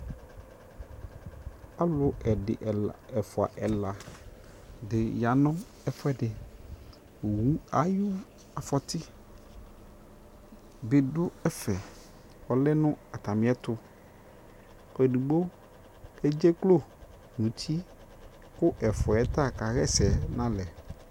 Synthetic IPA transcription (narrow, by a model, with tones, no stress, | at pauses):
a˦lʊ˨ɛ˨ɖɪ̰˨ʔɛ˨fɔ˨a̰˨ʔɛ˨la˨ | dɪ˨ja˨nɔ̃˦ | ɛ˦fɔ˦ɛ˦ɖɪ˨ | wu˨˦a˨˦jʊ˦ | a˨fɔ˨t̪ɪ˦ | be˨ɖʊ˦ɛ˦fɛ˨ | wɔ˨lɛ˦nʊ̃˦a˨t̪a˨mĩ˦ɛ˦t̪ʊ˦ | e˨ɖu˨ɡ͡bo˦ | ɛ˦d͡ʒe˦klo˦ | nũ˨t̪ʰi˦ | kʊ˦ʔɛ˨fa˨ɛ˦t̪a˦˨ka˨ɣɛ˦sɛ˨nã˦lɛ˨